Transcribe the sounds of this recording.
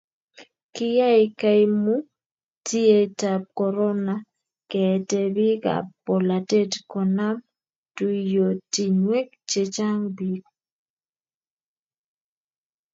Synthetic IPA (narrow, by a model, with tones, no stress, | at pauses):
kɪ˦ja˦ɪ˨ka˦ɪ˦mu˦ | ti˦e˦ta˨p̚kɔ˨ɾɔ˦na˨ | kɛ˨te˦bi˦ka̰˨po˨la˨te˦tko˨na˦m | tu˦jo˨ti˨ɲwe˦k̚ | t͡ʃe˦t͡ʃa˦ŋbi˦k